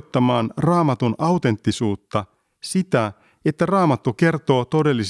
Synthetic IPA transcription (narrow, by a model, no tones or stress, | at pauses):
t̪ːɑmɑːnrɑːmɑt̪unɑwt̪e̞nt̪ːisuːt̪ːɑ | sit̪æ | et̪ːærɑːmɑt̪ːuke̞rt̪o̞ːt̪o̞de̞lːis